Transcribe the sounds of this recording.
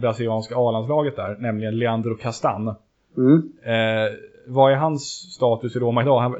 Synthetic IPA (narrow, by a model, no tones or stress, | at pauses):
bɾasɪlɪɑːnskaɑːlans̬lɑːɡət̪̚d̪æːɾnɛmlɪɡənlɛand̪ɾʊkʰast̪a̰nː | vaæɾɦansːt̪ɑːt̪ɵsɪɾoːmaɪd̪ɑːɦa